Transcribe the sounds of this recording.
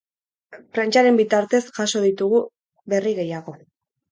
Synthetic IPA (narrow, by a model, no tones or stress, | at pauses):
fɾant͡ʃaɾe̞mbit̪aɾt̪e̞sʝaso̞ðit̪uɣu | βe̞riɣe̞jaɣ̞o̞